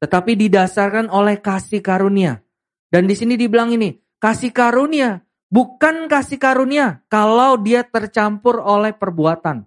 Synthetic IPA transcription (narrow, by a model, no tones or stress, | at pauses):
t̪ət̪apididasarkanolɛhkasikaɾunia | dandisinidibəlaŋini | kasikaɾunia | bukankasikaɾuniakalawdiat̪ərt͡ʃampʊrolɛhpərbuat̪an